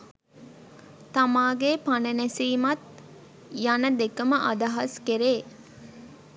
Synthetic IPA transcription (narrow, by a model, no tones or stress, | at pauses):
t̪amaːɡepanɐnesiːmɐt̪̚ | janəd̪ekəməʔad̪ɐɦɐskeɾeː